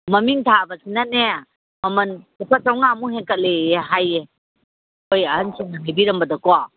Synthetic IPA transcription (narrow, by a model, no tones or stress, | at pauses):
mɐmiŋtʰabɐsinɐne | mɐmɐnupʰatawŋamuɦeŋkət̚leeɦaje | ojɐhɐnsuŋnɐmajbiɾɐmbɐdɐkoa